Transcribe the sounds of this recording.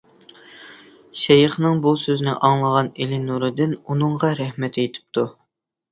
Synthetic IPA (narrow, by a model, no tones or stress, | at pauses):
ʃɛjɨχnɨŋbusøznɪʔɑŋlˠəʁɑnelɪnuɾɨd̪ɪnunɨŋʁɑɾɛhmɛt̪ʰet̪ʰɪ̥p̚t̪ʰu